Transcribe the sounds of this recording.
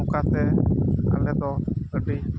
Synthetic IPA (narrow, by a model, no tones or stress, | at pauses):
ukat̪ɛa̰lɛd̪ɔəɖi